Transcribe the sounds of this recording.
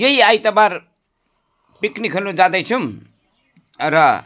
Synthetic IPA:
jʌiajt̪ʌbaɾ | piknikʰʌnud͡zad̪ʌjt͡sʰum | ɾʌ

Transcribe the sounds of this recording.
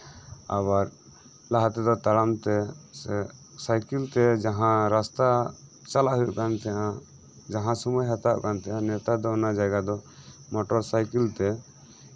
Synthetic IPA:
a̰βaɾ | laɦat̪ɛd̪ɔt̪aɽamt̪ɛsɛ | sajkilt̪ɛd͡ʒaɦãɾast̪a | t͡ʃalaɦujuʔkant̪ɛjã | d͡ʒaɦãsɔmɔjɦat̪aʔkant̪ɛjãnɛt̪ad̪ɔɔnad͡ʒaɡad̪ɔmɔʈɔɾsajkilt̪ɛ

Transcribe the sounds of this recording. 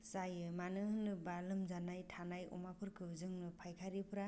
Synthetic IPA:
sajɯmanɯhɯnɯbalɯmzanajtʰanajɔ̰mapʰɯɾkʰɯzɯŋnɯpʰajkʰaɾipʰɯɾa

